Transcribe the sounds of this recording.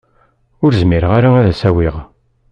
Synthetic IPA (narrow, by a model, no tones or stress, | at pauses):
ʊɾzmɪɾəʁaɾaæðæsæwiʁ